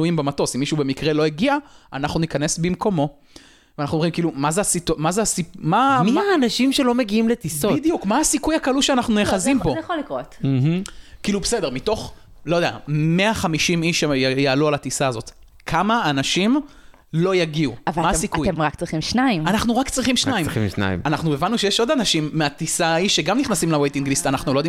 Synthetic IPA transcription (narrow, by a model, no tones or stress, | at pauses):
uimbemato̞simːiʃube̞mikʁelo̞jeɡiaʔanaχnunikane̞sbimko̞mo̞ | veanaχnuomʁimkiːlumazeasitmazeasipmamaːnaʃimʃelo̞meɡiimlet̪isoid̪ijukmaasikujakaluʃeanaχnujeχazimbojχolːikʁot | kiːlubese̞de̞ʁmito̞χ | lo̞jod̪ea̰meaχamiʃimiʃjaːlualat̪isaːzo̞t̪ | kʰamaːnaʃim | lo̞jaɡiuavamaasikujemʁakt͡sʁiχimʃnaimanaχnuʁakt͡sʁiχimʃnaimna̰ḭmanaχnuevanːuʃejeʃo̞d̪anaʃimːeat̪isaːiʃːeɡamniχnasimlawejt̪iŋɡlist̪anaχnulojd̪i